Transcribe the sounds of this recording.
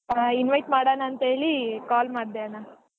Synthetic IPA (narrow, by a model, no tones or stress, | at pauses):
inʋɐjʈmaːɽanaːnt̪ɦeːɭikaːlmaːɽd̪eana